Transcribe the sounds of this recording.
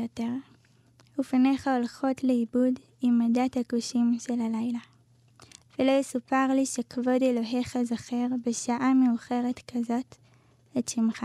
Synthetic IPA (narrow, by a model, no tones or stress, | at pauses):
oteʁ | ifane̞χao̞lχo̞tleibud | imːadathakuʃimʃe̞lalajla | velo̞jesupaʁliʃekavo̞delo̞ɦeχazaχeʁbeʃaʔameuχe̞ʁe̞tkʰazo̞t | etʃimχa